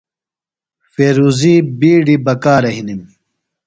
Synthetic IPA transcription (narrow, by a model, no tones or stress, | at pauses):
feːɾuːziːbiːɖibɐkaːɾɐɦinim